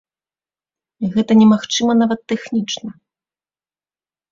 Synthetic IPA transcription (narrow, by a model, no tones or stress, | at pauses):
iɣɛt̪ɐnʲɛmaxt͡ʂɨmɐnavɐt̪ːɛxnʲit͡ʂnɐ